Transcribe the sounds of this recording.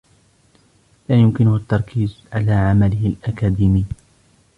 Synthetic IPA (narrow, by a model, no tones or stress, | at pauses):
laːjʊmkɪnʊht̪ːɑɾˤkʰiːzʕalaːʕamalɪhɪlʔakaːd̪iːmɪj